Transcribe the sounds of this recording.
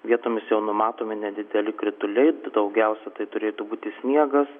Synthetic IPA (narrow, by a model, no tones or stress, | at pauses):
ʋʲiɛt̪oːmʲɪsjɛʊnʊmɑːt̪oːmʲɪnʲɛd̪ʲɪd̪ʲɛlʲɪkɾʲɪt̪ʊlʲɛɪd̪ɐʊɡʲɛʊsʲɛt̪ɐɪt̪ʊɾʲeːt̪ubuːt̪ʲɪsʲnʲiɛɡɐs